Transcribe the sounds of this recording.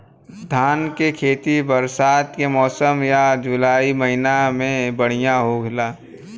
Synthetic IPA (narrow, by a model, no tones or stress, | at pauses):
d̪ʱaːnkekʰeːt̪ibəɾsaːt̪kemɔːsəmjad͡ʒʊlaːiməɦɪnamẽbəɽ̤ijaɦoɡlaː